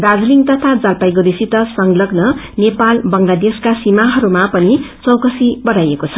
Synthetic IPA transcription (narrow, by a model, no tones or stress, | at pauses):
bad͡zliŋt̪ʌt̪ʰad͡zalpajɡod̪isit̪ʌsʌŋɡlʌɡnʌ | nepalbʌŋlad̪eskasimaɦʌɾumapʌnit͡sʌwkʌsibʌɽajekot͡sʰʌ̥